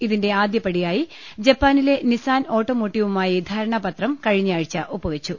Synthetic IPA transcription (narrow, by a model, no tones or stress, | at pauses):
iðinde̞aːd̪jɐpːɐɽijaːji | d͡ʑɐpːaːnile̞nisaːno̞ːʈːoːmoːʈːiʋumaːjid̪ʱɐɾɐɳɐpɐt̪rɐmkɐɻiɲːaːɻit͡ɕːɐʔopːɐʋet͡ɕːu